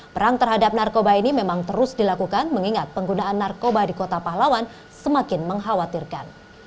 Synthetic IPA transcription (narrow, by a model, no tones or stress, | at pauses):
pəɾaŋt̪ərɦadap̚narkobainimemaŋt̪əɾʊsdilakukanməŋiŋat̪̚pəŋɡunaʔːnːarkobadikot̪apaɦlawan | səmakɪnməŋɦawat̪irkan